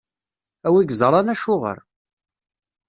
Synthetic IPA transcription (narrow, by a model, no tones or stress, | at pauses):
æwiɡzˤɑɾˤɑnæʃʊʁə̰ɾ